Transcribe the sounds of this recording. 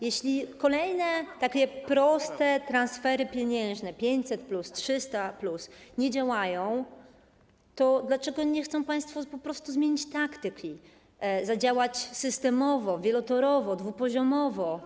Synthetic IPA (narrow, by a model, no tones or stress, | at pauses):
jɛɕlʲikɔlɛjnɛt̪akʲɛpɾɔst̪ɛt̪ɾansfɛɾɘpʲjeɲɛ̃ñʐnɛpʲjeɲt͡ɕʲsɛt̪̚plustʂɘst̪aplusɲɛd͡ʑawajɔ̃w̃ | t̪ɔd̪lat͡ʂɛɡɔɲɛxt̪sɔ̃w̃paj̃st̪fɔpɔpɾɔst̪uzmʲeɲit͡ɕt̪akt̪ɘkʲi | zad͡ʑawat͡ɕsɘst̪ɛmɔvɔvʲjɛlɔt̪ɔɾɔvɔd̪vupɔʑɔmɔvɔ